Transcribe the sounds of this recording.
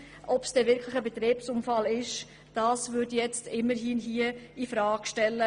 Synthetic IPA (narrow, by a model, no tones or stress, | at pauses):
ʔɔpsd̥ɛːvɪɾkʰlɪxəbɛt̪ɾeːpsʊmfɑlɪʃ | d̥ɑːsvʏdjɛt͡stɪmːəɾɦiːnɦiəifɾɑːkʃtɛlːə